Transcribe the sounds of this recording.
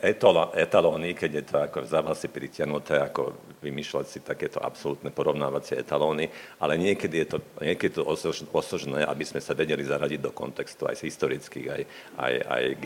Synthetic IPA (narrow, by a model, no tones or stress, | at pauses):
ʔɛt̪ɔlɛt̪alɔːnikɛɟjɛt̪ɔakɔzaʋasipɾicɪaɦnut̪ɛːakɔ̰ | ʋimiːʃlacsit̪akɛːt̪ɔʔa̰psɔlut̪nɛpɔɾɔʊnaːʋat͡sɪɛɛ̰t̪alɔːniʔalɛɲɪɛkɛd̪ijɛt̪ɔɲɛkɛd̪it̪ɔɔɔsɔʒnɛːʔa̰bizmɛsaʋɛɟɛlizaɾaɟiɟd̪ɔkɔ̰nt̪ɛkst̪ua̰jzɦist̪ɔɾit͡skḭːɣa̰j | a̰ja̰jɡ